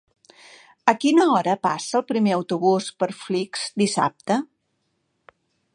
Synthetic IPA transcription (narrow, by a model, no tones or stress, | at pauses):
əkinəɔɾəpasəːlˠpɾimeəwt̪uβuspəɾflikz̥d̪isa̰p̚t̪ə